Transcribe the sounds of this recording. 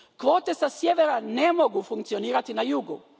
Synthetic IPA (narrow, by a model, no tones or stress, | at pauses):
kʋo̞ːt̪esasjeʋeɾanemoɡufuŋkt̪sio̞niːɾat̪inajuɡṵ